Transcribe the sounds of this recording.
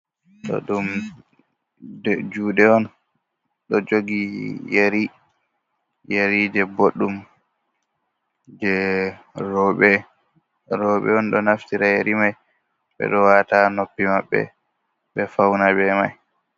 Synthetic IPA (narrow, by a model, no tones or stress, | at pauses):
tɔ̰ɗum | ɛd͡ʒuːɗɛɔn | ɗɔd͡ʒoɡijeɾi | jeɾid͡ʒɛboɗːum | d͡ʒɛ | ɔɓɛ | ɾɔːɓɛ̰ɔnɗɔnaftiɾajeɾimaj | ɓɛ̰ɗɔwaːtanopːimaɓːɛ̰ | ɓɛfawnabɛma̰j